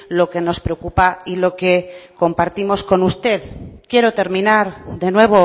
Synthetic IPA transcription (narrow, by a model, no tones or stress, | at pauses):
lo̞ke̞no̞spɾe̞okupailo̞ke̞ko̞mpaɾt̪imo̞sko̞nust̪e̞ðkje̞ɾo̞t̪e̞ɾmĩnaɾðe̞nwe̞β̞o̞